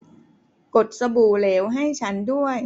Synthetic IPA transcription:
ko˨˩t̪̚sa˧buː˨˩leː˩˦˥wɦa˥˩jt͡ɕʰa˦˥ndu˥˩əj

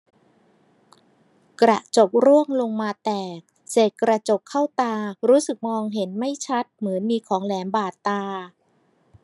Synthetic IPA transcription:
kɾa̰˨˩t͡ɕo˨˩k̚ɾu˥˩əŋlo˧ŋmaː˧t̪ɛː˨˩k̚ | seː˨˩t̪̚kɾa˧t͡ɕo˨˩kʰːa˥˩wt̪aː˧ɾuː˦˥sɯ˨˩k̚mɔː˧ŋɦe˩˦nma˥˩jt͡ɕʰa˦˥t̪̚mɯ˩˦ənmiː˧kʰɔː˩˦ŋlɛː˩˦nbaː˨˩t̪ːaː˧

